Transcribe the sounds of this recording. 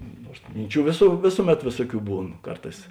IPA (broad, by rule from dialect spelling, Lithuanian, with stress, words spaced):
ˈnuɔrs ˈmʲɪnʲˌt͡ʃʲuː ʋʲeːsʊ ˈʋʲeːsʊˌmʲɛt ˈʋʲeːsuɔˌkʲuː ˈbuːn ˈkɐrˌtɑːs